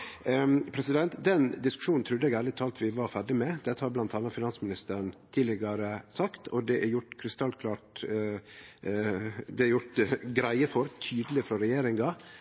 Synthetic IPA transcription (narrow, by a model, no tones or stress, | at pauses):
pʰɾɛsɪd̪ɛnt̪d̪ɛnd̪ɪskʉ̥ʂuːnn̩t̪ʰɾʉd̪əɛɡæːlɪt̪ʰɑːlt̪ʰʋɪʋɑɾfæɖɪmɛd̪ɛt̪ːəhɑɾblɑnt̪ʰɑːnːɑtfɪnɑnsmɪnɪst̪əɾnt̪ʰiːlɪɡɑɾəsɑkt̪ʰɔd̪ɛʔæɾjʊʈkʰɾɪst̪ɑlkʰlɑːʈ | d̪ɛæɾjʊʈɡɾæɪəfɔɾt̪ʰyːd̪əlɪfɾɔɾɛjeːɾɪŋɡɑ